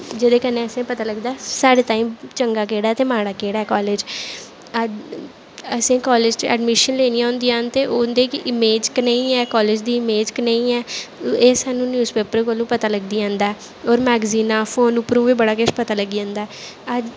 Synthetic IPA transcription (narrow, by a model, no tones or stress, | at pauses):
d͡ʒed̪eːkənẽːəsẽːpət̪aːləɡd̪aːsaːɽeːt̪aːĩːmt͡ʃəŋɡaːkeːɽaːt̪eːmaːɽaːkeːɽaːɛːkɔːleːd͡ʒ | əd͡ʒ | əsĩːkɔːled͡ʒɛ̰ɖmɪʃənleːniːãːnd̪iːaːnt̪eːʔoːnd̪eːkɪʔɪmeːd͡ʒkneĩːɛːkɔːled͡ʒd̪iːɪmeːd͡ʒkneĩːɛːeːsaːnũːnjuːzpeːpəɾkəlũːpət̪aːləɡd̪iːãːnd̪aːɛː | ɔːɾmɛːɡziːnaːfʰoːnʊpɾũːʋiːbəɽaːkɪʃpət̪aːləɡiːãːnd̪aːəd͡ʒ